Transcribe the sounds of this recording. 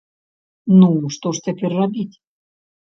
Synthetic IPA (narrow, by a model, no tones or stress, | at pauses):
nuʂt̪oʂtʲapʲerʲrabʲitʲ